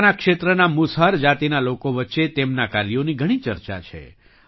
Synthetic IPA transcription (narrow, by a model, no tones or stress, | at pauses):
nakʃet̪ɾənamʊsɦaɾd͡ʒat̪inalokoʋətːʃet̪emnakaɾioniɡʱəɽ̃it͡ʃəɾt͡ʃa̰t͡ʃʰḛ